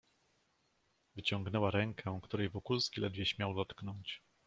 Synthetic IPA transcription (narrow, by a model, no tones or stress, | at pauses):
vɘt͡ɕɔ̃ŋɡnɛwaɾɛŋkʰɛkt̪uɾɛjvɔkulskʲilɛd̪vʲjɛɕmʲjawd̪ɔt̪knɔɲt͡ɕ